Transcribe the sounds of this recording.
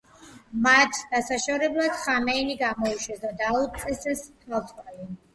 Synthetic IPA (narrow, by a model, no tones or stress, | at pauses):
mat̪ʰd̪̥asaʃɔɾɛblˠad̪̥χamɛiniɡamɔiʃwɛsd̪ad̪ausʼɛsɛst̪ʰalˠt̪ʼkʼali